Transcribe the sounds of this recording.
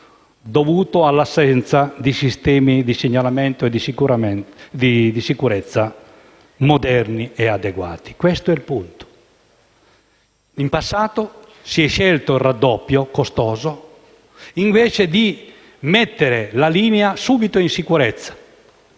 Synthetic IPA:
d̪ovuːt̪oalːasːɛnt̪sad̪isist̪ɛːmid̪iseɲːalamɛnt̪oed̪isiuɾd̪id̪isikuɾɛt̪sːa | mod̪ɛrniɛad̪ɛɡwa̰ːt̪i̥kwɛst̪oɛlpunt̪o̥ | impasːaːt̪o | siɛʃːɛlt̪oirːad̪ːɔpːjokost̪ɔːzo | iɱvɛːt͡ʃed̪i | mɛt̪ːeɾelaliːneasuːbit̪oinsikuɾɛt̪sːḁ

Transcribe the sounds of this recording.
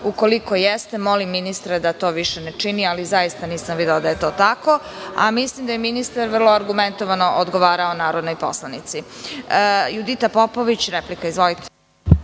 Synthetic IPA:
uko̞liko̞jest̪e̞mo̞limːinist̪ɾed̪at̪o̞ːʋiʃenet͡ʃinializajist̪aniːsamʋid̪eod̪aje̞t̪o̞ːt̪ako̞ | a̰mislˠimd̪ajeminist̪aɾʋr̩lˠoaɾɡument̪oʋano̞ʔod̪ɡoʋaːɾaonaːɾo̞d̪nojpo̞̰slˠanit̪si | jud̪it̪apo̞po̞ʋit͡ɕɾeplikaizʋo̞lit̪e̥

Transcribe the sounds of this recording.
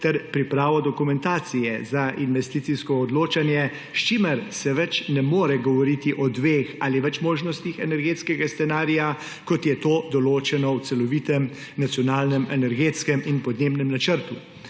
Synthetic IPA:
t̪ɛɾpɾipɾaːʋɔd̪ɔkumɛnt̪aːt̪sijɛzaʔinʋɛst̪iːt̪siskɔːd̪loːt͡ʃanjɛ | ʃt͡ʃimɛɾsɛʋɛt͡ʃnɛmoːɾɛɡɔʋɔɾiːt̪iʔɔd̪ʋeːxaːliʋɛt͡ʃmoːʒnɔst̪ixɛnɛɾɡeːt̪skɛɡast̪ɛnaːɾija | kɔt̪jɛt̪oːd̪ɔloːt͡ʃɛnɔwt̪sɛlɔʋiːt̪ɛm | nat̪sjɔnaːlnɛmɛnɛɾɡeːt̪skɛminpɔd̪neːbnɛmnat͡ʃəɾt̪u

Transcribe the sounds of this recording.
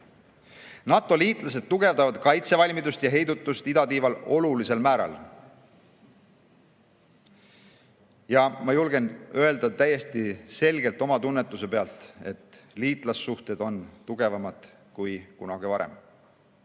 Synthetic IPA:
nɑt̪ːˑo̞liːt̪ˑlɑs̬e̞d̪̥̚t̪uɡ̥e̞vd̪ɑvɑd̪̥kɑjt̪se̞vɑlʲmid̪ust̪jɑɦe̞jd̪ut̪ːˑust̪id̪ɑt̪iːvɑlo̞lulise̞lmæːɾɑ̰l | jɑmɑjulɡe̞nø̞e̞ld̪̥ɑt̪æje̞st̪ise̞lʲɡe̞lt̪ːˑo̞mɑt̪unːet̪ːˑus̬e̞pe̞ɑlt̪ˑe̞t̪liːt̪ˑlɑsːuht̪e̞d̪o̞nt̪uɡ̥e̞vɑmɑd̪̥ | kujkunɑɡ̥ivɑɾḛm

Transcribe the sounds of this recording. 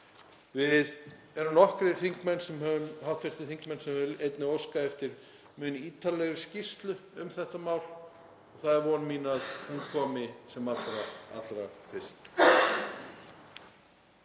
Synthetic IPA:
vɪð | ɛɾʏmnɔhkɾɪ̥θiŋkmɛnːsɛmɦœvʏmhaw̥t̪fɪst̪ɪθiŋkmɛnsɛmhœvejt̪nɪowskaɛft̪ɪɾ̥ | mʏniːt̪alɛɣɾɪscist̪lʏʏmθɛht̪amaːwl | ɔɣθaðɛɾvɔnmiːnaðhunkʰɔːmɪsɛmat̪ɾaa̰t̪lɾafɪ̥st̪

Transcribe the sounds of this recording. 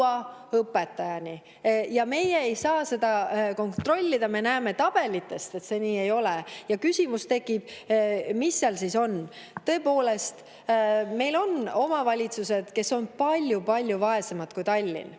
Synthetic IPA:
ɑɤpːˑe̞t̪ːˑɑjɑni | jɑme̞jeːjsɑːse̞d̪̥ɑko̞nt̪ro̞lʲːid̪̥ɑme̞næːme̞t̪ɑb̥e̞lit̪ːˑe̞st̪et̪se̞niːe̞jo̞lejɑkysʲimust̪e̞kːˑib̥̚misːeɑlsiso̞n | t̪ɤ̞po̞ːle̞st̪ | me̞jlo̞no̞mɑvɑlʲit̪suse̞d̪̥ke̞so̞npɑlʲjupɑlʲjuvɑe̞semɑd̪̥kujt̪ɑlʲːḭn

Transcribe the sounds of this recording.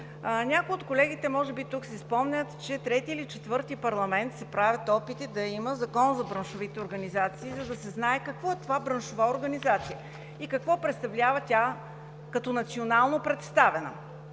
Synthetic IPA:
nʲakojot̪̚kolɛɡ̟it̪ɛmɔʒɛbit̪uksɛspɔmnʲət̪t͡ʃɛt̪ɾɛt̪iːlit͡ʃɛt̪vɤɾt̪ipɐɾlˠɐmɛnt̪sɛpɾavʲət̪ɔpit̪id̪ɐiməzɐkɔnzɐbɾɐnʃovit̪ɛoɾɡɐnizat̪siːzɐd̪ɐsɛznaɛkɐkvɔɛt̪ovabɾɐnʃovaoɾɡɐnizat̪sijə | ikɐkvɔpɾɛt̪st̪ɐvlʲavɐt̪ʲa | kɐt̪ɔnɐt̪sionalˠnopɾɛt̪st̪avɛnə̰

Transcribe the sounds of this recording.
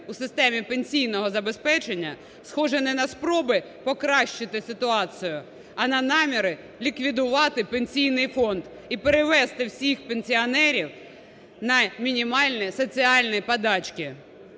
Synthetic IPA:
usɪst̪ɛmʲipenʲsʲijnɔɦɔzɐbe̞spɛt͡ʃe̞nʲːɐ̰ | sxɔʒɛnɛnɐspɾɔbɪ | pɔkɾɑʃt͡ʃɪt̪ɪsɪt̪ʊɑt͡sʲɪjʊ | ɐnɐnɑmʲiɾɪ | lʲikʋʲid̪ʊʋɑt̪ɪpenʲsʲijnɪjfɔnd̪ | ipeɾeʋɛst̪ɪwsʲixpenʲsʲiɔnɛɾʲiw | nɐmʲinʲimɑlʲnisɔt͡sʲiɑlʲnipɐd̪ɑt͡ʃkʲɪ

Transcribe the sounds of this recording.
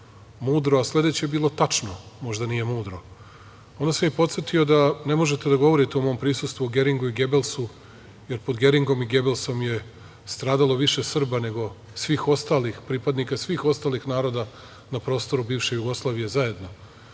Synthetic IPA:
muːd̪ɾoasle̞d̪e̞t͡ɕebiːlˠo̞t̪at͡ʃnomo̞ʒd̪anije̞muːd̪ɾo̞ | o̞nd̪asemjipo̞t̪set̪io̞d̪ane̞mo̞ʒet̪ed̪aɡo̞ʋo̞ɾit̪eomo̞ːmpɾisust̪ʋuoɡe̞ɾiŋɡuiɡe̞belˠsu | je̞ɾpo̞d̪ɡe̞ɾiŋɡo̞miɡe̞belˠsomje̞ | st̪ɾaːd̪alˠo̞ʋiʃe̞sr̩bane̞ɡo̞ | sʋiːxo̞st̪aːlixpɾipad̪nikasʋiːxo̞st̪aːlixnaːɾo̞d̪a | napɾo̞ːst̪o̞ɾubiːvʃe̞juɡo̞slˠaːʋije̞zaje̞d̪no̞

